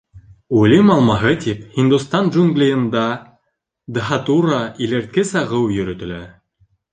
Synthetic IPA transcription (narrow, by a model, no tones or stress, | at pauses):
ulimɑlˠmɑɦɤt̪iphind̪ust̪ɑnʒuŋɡlʲijɤ̆nd̪ɑ | d̪ɦɑt̪urɑileɾt̪̚kɘsɑʁɤwjɵ̆ɾɵ̆t̪ɘ̆læ